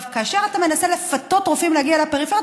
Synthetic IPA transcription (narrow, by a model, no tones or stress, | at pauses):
vkaaʃe̞ʁatame̞nase̞le̞fat̪o̞tːʁofimleaɡialepeʁifej